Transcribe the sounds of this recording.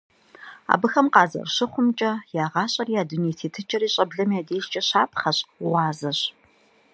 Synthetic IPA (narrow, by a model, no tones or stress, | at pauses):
a̰ːbɨxɐmqɑːzɐ̰rɕɪχʷʊmt͡ʃʼɐjaːʁɑːɕʼɐrijaːduneːtʰeːtʰɨt͡ʃʼɐriːɕʼɐbɮɐmjaːdeːʃt͡ʃʼɐɕaːp̚ʰʼχɐɕʼʁʷɑːzɐɕ